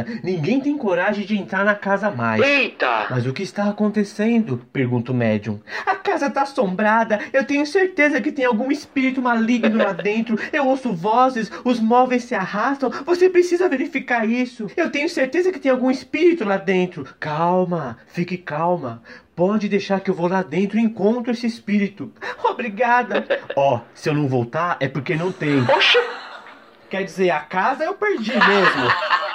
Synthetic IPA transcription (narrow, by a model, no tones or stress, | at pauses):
ɐnĩŋɡẽj̃t̪ẽj̃koɾaʒẽj̃d͡ʒɪẽnt̪ɾaɾnɐkazɐma̰jejt̪ɐ̰mɐzʊkɪːst̪aːkõnt̪esẽnd̪ʊpeɾɡũnt̪ʊmɛ̰d͡ʒṵ̃ɐkazɐt̪asõbɾad̪ɐewt̪ẽɲʊseɾt̪ezɐkɪt̪ẽj̃awɡũispiɾit̪ʊmaliɡnʊlad̪ẽnt̪ɾʊewowsʊvɔzɪsʊzmɔvejsːɪahast̪ɐ̃w̃vosepɾesizɐveɾifikaɾisʊewt̪ẽɲʊseɾt̪ezɐkɪt̪ẽj̃awɡũispiɾit̪ʊlad̪ẽnt̪ɾʊkawmɐfikɪkawmɐpɔd͡ʒɪd̪ejʃaɾkɪewvowlad̪ẽnt̪ɾʊiẽŋkõnt̪ɾʊesɪɪspiɾit̪ʊobɾiɡad̪ɐɔsɪewnɐ̃w̃vowt̪aɾɛpoɾkenɐ̃w̃t̪ẽj̃poʃɐ | kɛɾd͡ʒizeɾakazɐewpeɾd͡ʒimezmʊ